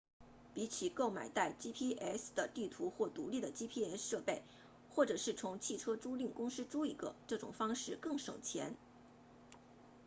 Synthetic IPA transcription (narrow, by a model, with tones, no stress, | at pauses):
pi˧˥t͡ɕʰi˨˩ko˥˩ʊma̰˨˩ɪt̪a˥˩ɪt͡ɕi˥pʰi˥ʔɛ˥sd̪ə˩t̪i˥˩t̪ʰu˧˥xwɔ˥˩t̪u˧˥li˥˩d̪ə˩t͡ɕi˥pʰi˥ɛ˥sʂɤ˥˧pe˥˩ɪ | xwɔ˥˩ʈ͡ʂɤ˨˩ʂɻ̩˥˩t͡sʰʊ˧˥ŋt͡ɕʰi˥˩ʈ͡ʂʰɤ˥ʈ͡ʂu˥li˥˩ŋkʊ˥ŋʂɻ̩˥ʈ͡ʂu˥ḭ˨˩ɡə̰˧˦ʈ͡ʂɤ˥˩ʈ͡ʂʊ̰˨˩ŋfɑ˥ŋʂɻ̩˥˧kɤ˥˩ŋʂɤ̰˨˩ŋt͡ɕʰjɛ̰˧˥n